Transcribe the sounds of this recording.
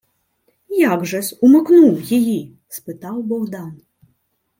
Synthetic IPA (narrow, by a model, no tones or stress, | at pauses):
jaɡʐɐsʲumɨknuwjaji | spɨt̪awbɔɣd̪an